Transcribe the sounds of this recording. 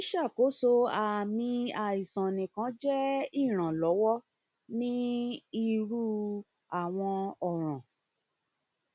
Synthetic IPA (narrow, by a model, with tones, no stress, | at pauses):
i˦ʃa˦˨ko˨˦so˧a˨mĩ˧a˨i˨sã˨nĩ˨kã˨˦d͡ʒɛ˦i˦˨ɾ̃ã˨lɔ˨˦wɔ˦ | nĩ˦i˦˧ɾu˦ | a˦˨w̃ɔ̃˧ɔ˨ɾ̃ã˨